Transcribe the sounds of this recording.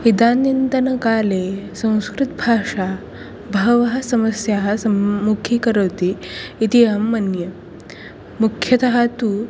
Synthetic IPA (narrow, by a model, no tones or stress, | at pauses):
id̪aːnind̪ɐnɐkaːlesɐ̃w̃skɾut̪bʱaːʂa | bʱɐɦʋɐɦɐsɐmɐsjaɦɐsɐmukʰikɐɾɐwt̪iːt̪iɦɐmːɐnjɐ | mukʰjɐt̪ɐɦat̪u